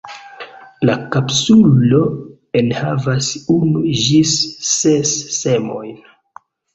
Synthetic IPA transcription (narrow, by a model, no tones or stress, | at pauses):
lakapsulo̞ | enhavasunud͡ʒisːesːe̞mo̞̰jn